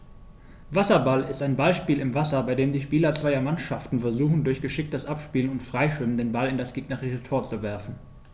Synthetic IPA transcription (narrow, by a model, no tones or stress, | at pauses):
vasɐbalɪstaɪnbalʃpiːlɪmvasɐbaɪdeːmdiːʃpiːlɐt͡sv̥aɪɐmanʃaftn̩fɛɐzuːxn̩dʊɐçɡ̥əʃɪk̚td̥asʔapʃpiːlənʊntfʁ̥aɪʃv̥ɪməndeːnbalɪndasɡ̥iːɡnaʁitətʰoːɐt͡suvɛɐfn̩